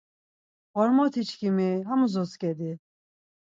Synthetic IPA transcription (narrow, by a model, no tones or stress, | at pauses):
ɔɾmɔt̪ʰit͡ʃʰkʰimiɦamuzɔskɛd̪i